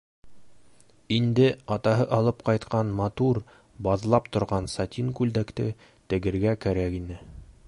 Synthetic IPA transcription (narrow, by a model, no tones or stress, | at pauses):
ind̪ɘɑt̪ɑɦɤʔɑlˠɤp̚qɑjt̪qɑnmɑt̪uɾ | bɑðlˠɑpt̪ŏɾʁɑnsɑt̪ʲiŋkʉld̪ækt̪ɘ | t̪ɘ̆ɡɘ̆ɾɡækæɾækinɘ